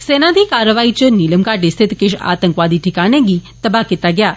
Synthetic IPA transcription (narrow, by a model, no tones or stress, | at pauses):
senat̪ʰikaɾəʋait͡ʃəniləmkaʈist̪ʰɪt̪kɪʃa̰t̪əŋkʋad̪ʱiʈʰikanẽɡit̪əbakit̪aɡja